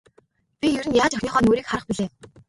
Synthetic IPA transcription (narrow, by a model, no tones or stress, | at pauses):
pʲijɵɾɘ̆njaːt͡ɕœxʲniːχœːnoːɾiːkχaɾə̆χpiɮeː